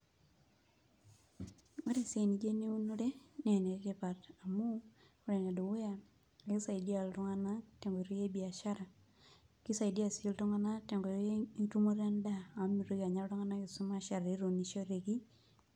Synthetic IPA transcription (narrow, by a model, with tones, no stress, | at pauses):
o˦ɾe˨se˨ni˨d͡ʒe˦ni˦u˦no˦de˦nɛ˨ne˨˦ke˦pa˨ta˨mu˦ | o˦ɾe˨na˨do˨we˦ja˨ | e˦sa˨i˨di˦a˨ltɔ˦ŋa˦na˦te˨ŋɡo˨ɾi˦je˦bi˨a˨ʃa˦ɾa˨ | ki˦sa˨i˨di˦a˨si˦ltɔ˦ŋa˦na˦te˨ŋɡo˨ɾtu˦mo˦ɾa˦nda˦a˨˦mi˨ɾe˦ɡa˨ɲa˦ltɔ˦ŋa˦na˦ki˨su˦ma˦ʃa˨ɾa˨ɾe˨˦ɾo˨ni˨ʃo˦ɾe˨ɡi˦